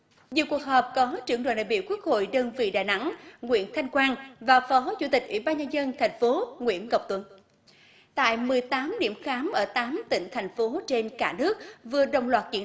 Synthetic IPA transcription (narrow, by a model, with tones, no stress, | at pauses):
ɲi˨wku˨˩ək̚ɦəː˨˩p̚kɔ˨˦t͡ɕɨ˧˩əŋɗo̰˧˨nɗa̰ː˧˨jɓḭ˧˨əwku˦˥ək̚ho̰˧˨jɗəː˧nvḭ˧˨ɗa̰ː˧˨jna˧˥ŋŋwḭ˧˥ənt̪ʰa˧jŋ̟kwaː˧nvaː˨˩fɔ˨˦t͡ɕṵ˧˩t̪ï˨˩k̟̚ʔwḭ˧˩ɓaː˧nɲa˧nzə˧nt̪ʰa˨˩jŋ̟fo˨˦ŋwḭ˧˥˨ənkə˨˩wk͡p̚t̪wə̰˧˩n | t̪a̰ː˧˨jmɨ˨˩əjt̪aː˨˦mɗḭ˧˨əmxaː˨˦mʔəː˧˩t̪aː˨˦mt̪ï˧˩ŋ̟t̪ʰa˨˩jŋ̟fo˨˦t͡ɕe˧nkaː˧˩nɨ˦˥ək̚vɨ˨˩əɗə̰˧˨wŋ͡mlwaː˨˩t̚t͡ɕḭ˧˩ə